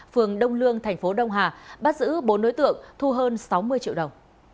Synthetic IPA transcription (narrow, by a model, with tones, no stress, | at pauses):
fɨ˨˩əŋɗə˧wŋ͡mlɨ˧əŋt̪ʰɛ˨˩jŋ̟fo˨˦ɗə˧wŋ͡mɦaː˨˩ɓaː˦˥t̚zɨ̰˧˥ɓo˨˦nɗo˨˦jt̪ɨ̰˧˨əŋt̪ʰu˧ɦəː˧nsa˨˦wmɨ˧əjt͡ɕḭ˧˨wɗə˨˩wŋ͡m